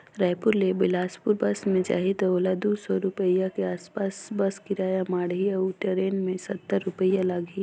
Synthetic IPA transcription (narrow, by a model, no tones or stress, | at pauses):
ɾaːpʊɾlebɪlaːspʊɾbɐsmẽd͡ʒa̰ːɦit̪oːlad̪usɔɾʊpəjakeaːspaːsbɐskɪɾaːjamaːɽɦiəuʈəɾeːnmẽsɐt̪ːəɾːʊpəjalaɡi